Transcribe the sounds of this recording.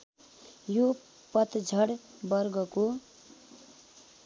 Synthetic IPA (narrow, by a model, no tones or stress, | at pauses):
jo | pʌt̪d͡zʱʌɽ | bʌrɡʌko